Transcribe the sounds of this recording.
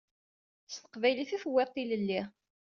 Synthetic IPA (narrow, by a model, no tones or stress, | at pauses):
sθə̥qvæjliθæfəwːeq̪ːiləlːi